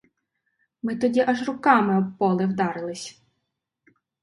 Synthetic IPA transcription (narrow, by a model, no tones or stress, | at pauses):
mɪt̪ɔdʲiʔɑʒrʊkɑmɪɔpːɔlˠɪwd̪ɑɾɪlˠɪsʲ